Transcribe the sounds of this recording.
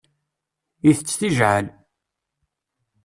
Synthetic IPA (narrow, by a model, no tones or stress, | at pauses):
iθət͡sːθiʒʕəl